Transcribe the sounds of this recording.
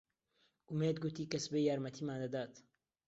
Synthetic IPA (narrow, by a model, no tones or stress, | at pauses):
ʔʊmeːd̪ɡut̪iːkɐsbejaːɾmɐt̪ʰiːmaːnd̪ɐd̪aːt̪